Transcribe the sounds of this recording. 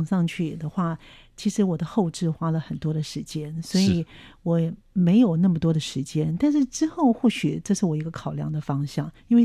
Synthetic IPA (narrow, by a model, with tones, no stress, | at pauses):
ŋʂɑ˥˧ŋt͡ɕʰy˥˩d̪ə˦xwa˥˩ | t͡ɕʰi˧˥ʂɻ̩˧˥wɔ˨˩d̪ə˦xo˥˧ʊʈ͡ʂɻ̩˥˩xwa˥lə˨xə˨˩nt̪wɔ˥d̪ə˨ʂɻ̩˧˥t͡ɕjɛ˥nswɔ˧˥i˧˨˩wɔ˨˩˦ | me˧˥ɪjo˨˩ʊna˥˩mə˩t̪wɔ˥d̪ə˨ʂɻ̩˧˥t͡ɕjɛ˥nt̪a˥˧nʂ̬ɻ̩˥˩ʈ͡ʂɻ̩˥xo˥˧ʊxwɔ˥˩ɕy˨˩ʈ͡ʂɤ˥˧ʂɻ̩˥˩wɔ˨˩i˧˥ɡə˧kʰɑ˨˩ʊljɑ̰˧˥ŋd̪ə˨fɑ˥ŋɕjɑ˥˩ŋi˥nwe˥˧